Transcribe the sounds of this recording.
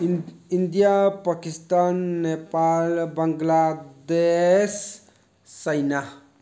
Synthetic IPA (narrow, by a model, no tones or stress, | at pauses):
ind̪ijapakist̪anːepalbəŋɡlad̪esː | əjna